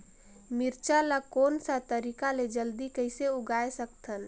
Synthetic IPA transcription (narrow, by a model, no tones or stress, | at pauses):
mɪɾt͡ʃalakoːnsat̪əɾikaled͡ʒəld̪ikəɪseʊɡaːesəkt̪ʰən